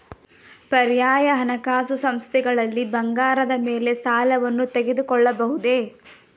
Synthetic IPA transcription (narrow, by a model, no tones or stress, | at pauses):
pɐɾjaːjɐɦɐnɐkaːsusɐmst̪ʰɛɡɐɭɐlːibɐŋɡaːɾɐd̪ɐme̞ːle̞saːlɐʋɐnːut̪eɡed̪ukɔɭːɐbɐɦud̪e̞